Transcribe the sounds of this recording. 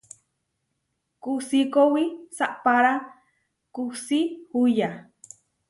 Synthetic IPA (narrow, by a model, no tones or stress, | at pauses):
kusikowisaʔpaɾa | kusihuja